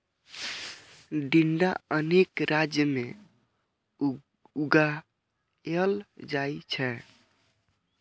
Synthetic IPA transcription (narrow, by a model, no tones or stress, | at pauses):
ɖiɳɖaənekɾad͡ʒjəme | uɡa | eəld͡ʒait͡ʃʰɛ